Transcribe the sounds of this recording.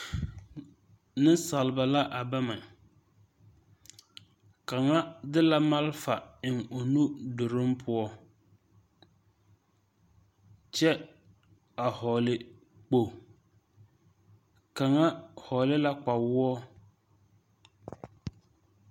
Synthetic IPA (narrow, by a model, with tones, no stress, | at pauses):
nɪ˦nsa˨lba˨la˦ʔa˨ba˦ma˨ | ka˨ŋa˦dɪ˦la˦ma˦lfa˨ɪ˨ŋo˨nu˦dʊ˨ɾɪ˦mpʰʊ˦ɔ˦ | t͡ʃɛ˦ | a˨hɔ˨lɪ˦ | k͡po˨ | ka˨ŋa˦hɔ˨lɪ˦la˦k͡pa˨wʊ˦ɔ˦